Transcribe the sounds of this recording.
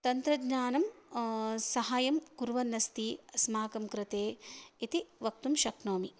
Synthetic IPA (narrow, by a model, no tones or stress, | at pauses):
t̪ɐnt̪ɾɐɡɲaːnɐm | sɐɦaːjɐmkuɾʋɐnːɐst̪iːɐsmaːkɐmkɾɪt̪eːit̪iʋɐk̚t̪umʃɐknoːmi